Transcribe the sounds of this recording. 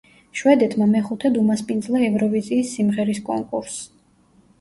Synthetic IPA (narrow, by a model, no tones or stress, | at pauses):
ʃwɛd̪ɛt̪ʰmamɛχut̪ʰɛd̪umaspʼind̪zlˠaɛvɾɔviziːsːimʁɛɾiskʼɔ̰ŋkʼṵɾs